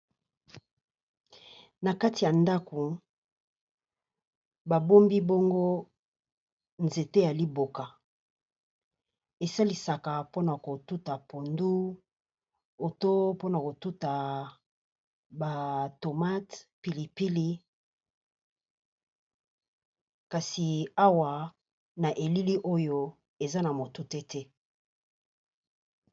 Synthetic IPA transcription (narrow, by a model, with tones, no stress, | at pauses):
na˨ka˦ti˨ja˨nda˦ku˨ | ba˨bo˦mbi˦bo˦ŋɡo˦ | nze˨te˦ja˨li˦bo˨ka˨ | e˨sa˦li˨sa˨ka˨po˦na˨ko˨tu˦ta˨po˨ndu˦ | o˨to˦po˦na˨ko˨tu˦ta˨ | ba˨to˨ma˦tpi˨li˨pi˦li˦ | ka˨si˨a˦wa˨ | na˨ʔe˨li˦li˦ʔo˦jo˦ | e˨za˦na˨mo˨tu˦tɛ˦tɛ˦